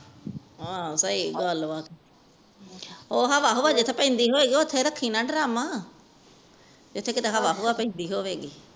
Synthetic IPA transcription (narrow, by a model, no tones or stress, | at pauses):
asəiːɡəlʋaːt̪ | oːɦaʋaːɦoʋaːd͡ʒɪt̪ʰːeːpɛ̃ːnd̪iːɦoːʋeːɡiːoːt̪ʰːeːɾəkʰːiːnaːɖɾaːmaː | d͡ʒɪt̪ʰːeːkɪt̪eːɦaʋaːɦoːʋaːpɛ̃ĩːnd̪iːɦoːʋeːɡiː